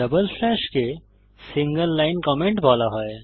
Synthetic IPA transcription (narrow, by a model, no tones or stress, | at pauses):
əbəlfʰlɛʃke | sĩŋɡəlːaɪnkɔmẽɳʈbʱɔːlaɦɔe